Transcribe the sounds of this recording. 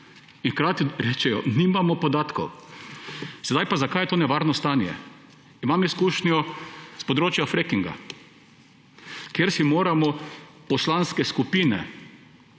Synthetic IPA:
inxkɾaːt̪iɾet͡ʃɛjɔ̰nimamɔpɔd̪at̪kɔ̰w | sɛd̪ajpazakajɛt̪oːnɛʋaɾnɔst̪aːnjɛ̰ | imamiskuːʃnjɔspɔd̪ɾoːt͡ʃjafɾekiŋɡa̰ | kjeɾsimoːɾamɔpɔslanskɛskupinɛ̰

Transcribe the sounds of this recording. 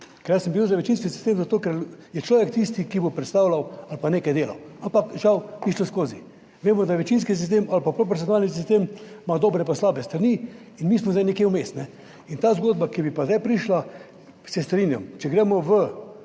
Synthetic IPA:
kɛɾjasəmbiwzaʋɛt͡ʃinskisi̥st̪emzat̪oːkɛɾjɛt͡ʃlɔːʋɛkt̪ist̪ikibopɾɛt̪st̪aːwlawalpaneːkajd̪eːla̰ampakʒawbiʃlɔskoːzi | ʋeːmɔd̪aʋɛt͡ʃinskis̬is̬t̪emalpapɾop̬ɔɾsʲjonaːlnis̬ist̪eːmmad̪oːbɾɛpaslaːbɛst̪ɾani | inmiːsmɔzajnɛkjewmest̪nɛ | int̪aːzɡoːd̪̚bakibipazd̪ajpɾiʃla | sɛst̪ɾinja̰mt͡ʃɛɡɾeːmɔʋə

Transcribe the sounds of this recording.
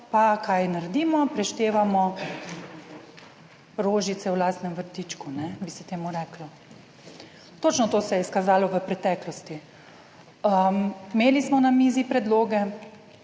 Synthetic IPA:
pakʰajnaɾɛd̪iːmɔpɾɛʃt̪eːʋamɔ | ɾoːʒit̪sɛwlaːst̪nɛmʋəɾt̪iːt͡ʃkunɛbisɛt̪eːmuɾɛklɔ | t̪oːt͡ʃnɔt̪oːsɛjɛskazaːlɔʋəpɾɛt̪ɛːklɔst̪i | əmmeːlismɔnamiːzipɾɛd̪loːɡɛ

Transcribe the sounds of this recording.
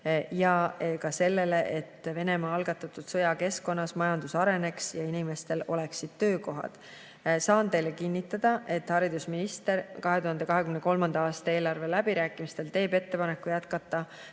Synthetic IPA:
jɑkɑse̞lːe̞le̞ʔet̪ːve̞nemɑːɑlɡ̥ɑt̪ːˑɑt̪ːˑud̪̥sɤjɑke̞sko̞nːɑsmɑjɑnd̪̥usɑɾe̞ne̞ksjɑinime̞st̪e̞lo̞le̞ksid̪̥t̪ø̞ːko̞ɦɑ̰d̪̥ | sɑːnt̪e̞jlekinʲːit̪ːˑɑd̪̥ɑʔe̞t̪hɑɾid̪usminist̪e̞rkɑɦe̞t̪uɦɑnd̪e̞kɑɦe̞kymne̞ko̞lmɑnd̪ɑɑːst̪ɑe̞ːlɑrve̞læbiɾæːkːˑimist̪e̞lt̪e̞ːbe̞t̪ːe̞pɑne̞kːˑujæt̪kɑt̪ːˑɑ

